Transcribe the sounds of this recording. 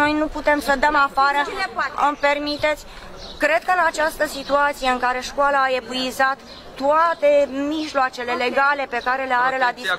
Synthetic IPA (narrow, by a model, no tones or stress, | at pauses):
o̞jnuput̪e̞msəd̪əmafaɾəɨmpe̞rmit̪e̞t̪sʲ | kɾe̞d̪̥̚kəɨnat͡ʃast̪əsit̪uat̪sijeɨŋkaɾe̞ʃkoalaːe̞buizat̪ː | uat̪e̞miʒloat͡ʃe̞le̞le̞ɡale̞pe̞kaɾe̞le̞aɾe̞lad̪isk